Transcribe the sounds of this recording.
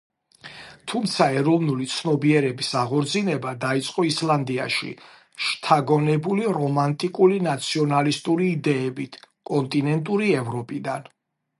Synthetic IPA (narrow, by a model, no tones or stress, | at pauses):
t̪ʰumt̪sʰaɛɾɔvnulit̪sʰnɔbiɛɾɛbisaʁɔɾd̪zinɛbad̪ait̪sʼqʼɔisland̪ia̰ʃḭ | ʃt̪ʰaɡɔnɛbuliɾɔmant̪ʼikʼulinat̪sʰiɔnalist̪ʼuɾiːd̪ɛːbit̪ʰkʼɔnt̪ʼinɛnt̪ʼuɾiɛvɾɔpʼid̪an